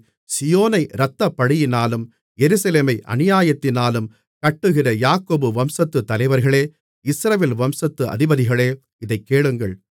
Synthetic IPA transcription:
sɪjoːnɐɪɾɐt̪ːɐpːɐɽɪjɪnaːlɯm | jɛɾɯsɐleːmɐɪʔɐ̰nɪjaːjɐt̪ːɪnaːlɯm | kɐʈːɯɣɪrɐjaːkoːbɯʋɐmsɐt̪ːɯt̪ːɐlɐɪʋɐɾɣɐɭeː | ɪsɾɐʋeːlʋɐmsɐt̪ːɯʔɐ̰ðɪbɐðɪɣɐɭeː | ɪðɐɪkːeːɭɯŋɡɐɭ

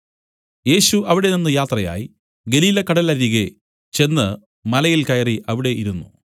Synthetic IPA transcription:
je̞ːɕuʔɐʋiɽe̞ninːɨjaːt̪rɐja̰ːji | ɡe̞liːlɐkɐɽɐlɐðiɣe | t͡ɕe̞nːɨ | mɐlɐjilkɐjɐriʔɐʋiɽe̞ʔiɾunːṵ

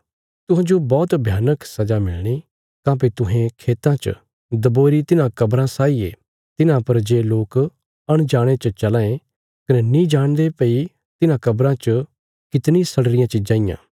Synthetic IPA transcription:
t̪ʊɦẽd͡ʒobɔːt̪bʱjaːnəksɐd͡ʒamɪlɽ̃i | kãːp̬et̪ʊɦẽkʰeːt̪ãt͡ʃə̰ | d̪ɐboːɾit̪ɪnãkɐbɾãsaːieː | t̪ɪnãpɐɾd͡ʒeːloːk | ɐɽ̃d͡ʒaːɽ̃et͡ʃət͡ʃɐlãːẽ | kɐnɛnĩd͡ʒaːɽ̃d̪epəi | t̪ɪnãkɐbɾãt͡ʃ | kɪt̪nĩsɐɽɾɪjãt͡ʃɪd͡ʒãːɪjã̰ː

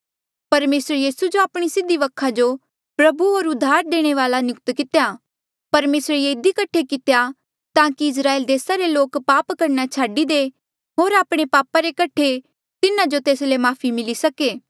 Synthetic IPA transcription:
pɐɾmeːsɾjiːsud͡ʒoaːpɽ̃isɪd̪ːiʋɐkʰad͡ʒo | pɾɐbuoːɾʊd̪ʱːaːɾd̪eːɽ̃eʋaːlanjʊkt̪kɪt̪eja | pɐɾmeːsɾejeɪd̪ikɐʈʰekɪt̪eja | t̪ãːkiɪs̬ɾaːeːld̪eːsaɾeloːkpaːpkɐɾnat͡ʃʰaːɖid̪e | ɦoːɾaːpɽ̃epaːpaɾekɐʈʰe | t̪ɪnãd͡ʒot̪eːslemaːpʰimɪlisɐkeː

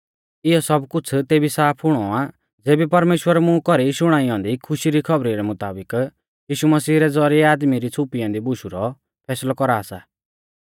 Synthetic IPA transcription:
ɪjɔsɔbkʊt͡sʰt̪eːbisaːpʰɦʊɽ̃ɔa | d͡zeːbipɐɾmeːʃwəɾmũkɔɾiʃʊɽ̃aːijãːnd̪ikʰʊʃiɾikʰʌbɾiɾɛmʊt̪aːbɪk | jiːʃumɐsiːɾɛd͡zɔɾiɛaːd̪miɾit͡sʰʊpijãːnd̪ibʊʃuɾɔ | pʰɛːslɔkɔɾaːsa̰

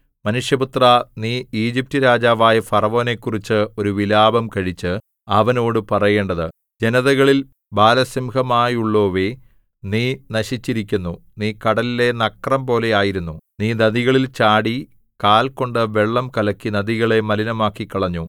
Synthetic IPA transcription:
mɐnuʂjɐput̪rɐniːiːd͡ʑip̚tɨɾaːd͡ʑaːʋaːjɐfɐrɐʋo̞ːne̞kːurit͡ɕːɨo̞ɾuʋilaːbɐmkɐɻit͡ɕːɨ | ɐʋɐno̞ːɽɨpɐrɐje̞ːɳɖɐðɨ | d͡ʑe̞nɐðɐɣɐɭil | baːlɐsimɡɐmaːjuɭːo̞ːʋe | niːnɐɕit͡ɕːiɾikʲːunːu | niːkɐɽɐlile̞nɐkːrɐmpo̞ːle̞jaːjiɾunːuniːnɐðiɣɐɭilt͡ɕaːɽi | kaːlko̞ɳɖɨʋeɭːɐmkɐlɐkːinɐðiɣɐɭe̞mɐlinɐmaːkːikːɐɭɐɲːu

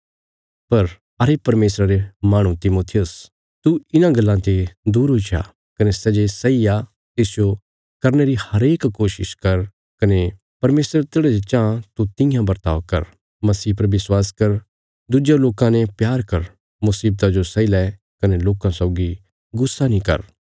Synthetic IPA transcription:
pɐɾ | ɐɾepɐɾmeːsɾaɾemaːɽ̃ũt̪ɪmoːt̪ʰijʊs | t̪uɪnãɡɐlːãt̪ed̪uːɾɦut͡ʃʰa̰ | kɐnesɛd͡ʒesɐija | t̪esd͡ʒo | kɐɾneɾihɐɾeːkːoːʃɪ̰ʃkɐɾ | kɐne | pɐɾmeːsɾət̪eːɽɛd͡ʒt͡ʃãːt̪ut̪ɪ̃jãbɐɾt̪a̰ːʋkɐ̰ɾ | mɐsiːpɐɾʋɪswaːskɐɾ | d̪ud͡ʒjaloːkãnẽpjaːɾkɐɾ | mʊsiːb̚t̪ad͡ʒosɐilɛ | kɐneloːkãsɔʊɡi | ɡʊsːanĩkɐ̰ɾ

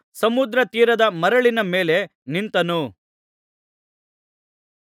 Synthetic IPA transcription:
sɐmud̪ɾɐt̪iːɾɐd̪ɐmɐɾɐɭinɐme̞ːle̞nint̪ɐnu

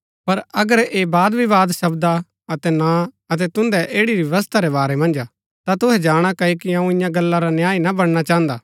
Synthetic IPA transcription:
pɐɾɐɡəɾeːbaːd̪biʋaːd̪sɐbd̪a | ɐt̪ɛna | ɐt̪ɛt̪ʊ̃nd̪ɛʔeːɽiɾʋjɐʋɐs̬t̪ʰaɾɛbaːɾɛmɐ̃nd͡ʒa | t̪at̪ʊɦɛd͡ʒaːɽ̃akɐikiɐũɪ̃jãɡɐlːaɾanjaːinabɐɽ̃ñat͡ʃaːɦə̃nd̪aː

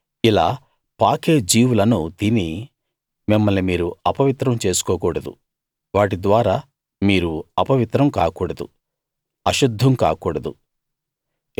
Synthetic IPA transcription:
ilaː | paːkeːd͡ʒiːwulɐnut̪ini | mimːɐlnimiːɾuɐpɐʋit̪ɾɐmt͡ʃe̞ːsu̥kɔːkuːɽɐd̪ṵ | ʋaːʈid̪ʋaːɾaː | miːɾuɐpɐʋit̪ɾɐmka̰ːkuːɽɐd̪ṵ | ɐʃud̪ʱːɐmkaːkuːɽɐd̪u

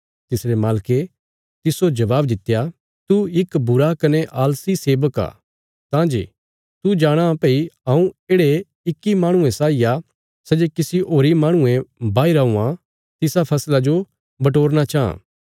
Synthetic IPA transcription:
t̪ɪsɾemaːlke | t̪ɪsod͡ʒɐʋaːbd̪ɪt̪ːja | t̪uɪkbʊɾakɐneʔaːlsiseːbəka̰ː | t̪ãːd͡ʒḛ | t̪ud͡ʒaːɽ̃ãpeːiãũeːɽe | ɪkːimãːɽ̃ʊ̃ẽsaːija | sɛd͡ʒekɪsiʔoːɾimãːɽ̃ʊ̃ẽbaːiɾaũːã | t̪ɪsapʰɐslad͡ʒo | bɐʈ̬oːɾñat͡ʃaːã̰ː

